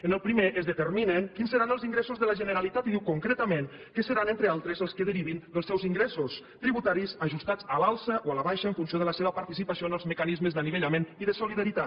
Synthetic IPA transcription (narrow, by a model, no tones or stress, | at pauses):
ənəlˠpɾimeʔəzðət̪əɾminəŋkinsəɾanəlˠziŋɡɾesuzðələʒənəɾalit̪at̪iðiwkuŋkɾet̪əmẽn | kəsəɾanent̪ɾəalˠt̪ɾəzəlˠskəðəɾiβind̪əlˠsɛwziŋɡɾɛsus | t̪ɾiβut̪aɾisəʒust̪ad͡zalalˠsəʔoaləβajʃəəɱfunsjoðələseβəpaɾt̪isipasijonəlˠzməkanizməzðaniβeʎameniðəsuliðaɾit̪at̪